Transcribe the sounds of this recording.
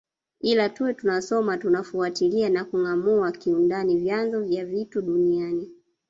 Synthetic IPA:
ilatuɛtunasɔmatunafuatilianakuŋamuakiundanivjanzɔvjavituɗuniani

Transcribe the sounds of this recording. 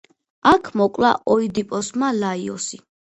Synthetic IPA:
akʰmɔkʼla̰ʔɔid̪ipʼɔsmalaiɔsi

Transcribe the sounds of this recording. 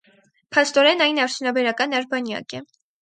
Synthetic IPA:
pʰɑst̪ɔɾɛnɑjnɑɾt͡sʰjunɑbɛɾɑkɑnɑɾbɑnjɑ̰kɛ

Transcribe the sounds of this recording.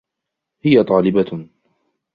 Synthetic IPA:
hɪjat̪ˤɑːlɪba

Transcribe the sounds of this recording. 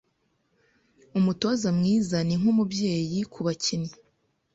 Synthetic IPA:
umuto̞zamŋiːzaniŋ̥umubje̞ːjikʰuβacini

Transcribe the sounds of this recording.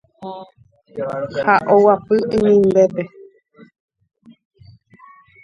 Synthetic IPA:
haʔowapɨʔĩmĩnd̪epe

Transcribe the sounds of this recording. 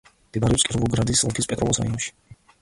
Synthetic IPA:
d̪̥ib̪aɾiɔpskʼiɾɔvulˠɡɾad̪islˠkʰispʼɛt̪ʼɾɔ̰lˠɔsɾa̰iɔnʃi̥

